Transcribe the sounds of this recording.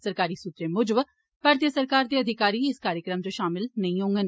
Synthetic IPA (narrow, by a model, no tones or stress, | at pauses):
səɾkaːɾiːsuːt̪ɾeːmʊd͡ʒəb | paːɾt̪ijəsəɾkaːɾd̪eːəd̪ʱɪkaːɾiːɪskaːɾjəkɾəmd͡ʒoʃaːmɪlnəĩːɦõːŋɡən